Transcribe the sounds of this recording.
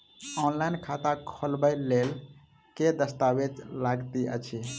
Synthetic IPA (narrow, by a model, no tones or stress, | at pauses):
ɔnlajnkʰat̪akʰolbəjlel | ked̪əst̪abed͡ʒlaɡt̪iə̰t͡ʃʰi